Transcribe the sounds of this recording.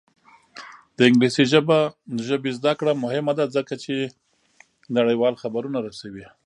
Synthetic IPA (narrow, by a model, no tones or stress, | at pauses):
d̪̥əɪŋɡlisiʒəbaʒəbezd̪akɽamʊhɪmad̪azəkat͡ʃe | naɽəjwɑlxabaɾunaɾasawi